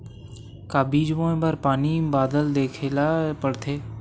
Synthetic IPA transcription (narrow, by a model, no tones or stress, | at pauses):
kaːbiːd͡ʒʋõbəɾpaːnibaːd̪əld̪eːkʰelapəɽt̪ʰeː